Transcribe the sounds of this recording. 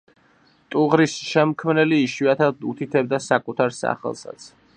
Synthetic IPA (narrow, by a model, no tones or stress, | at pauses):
t̪ʼuʁɾisʃɛmkʰmnɛliːʃwiat̪ʰad̪ut̪ʰit̪ʰɛbd̪asakʼut̪ʰaɾsa̰χɛ̰lˠsa̰t̪sʰ